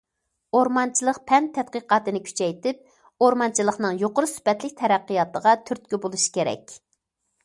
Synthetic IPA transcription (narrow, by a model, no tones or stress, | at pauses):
oɾmɑnt͡ʃʰilˠəqpʰɛnt̪ʰːɛt̪̚qəqɑːt̪ɨnɪkʲʰy̥t͡ʃʰɛjt̪ɪp̚ | oɾmɑnt͡ʃʰilˠəχnɨŋjoqʊɾɨsy̥pɛt̪lɪk̚ʲt̪ʰɛɾæqːijɑt̪əʁɑt̪ʰyɾt̪̚kʲybolˠuʃi̥kʲeɾɛ̰kʲ